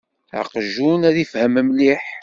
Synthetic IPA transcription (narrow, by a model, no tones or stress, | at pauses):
a̰qʒunæðifhæməmliħ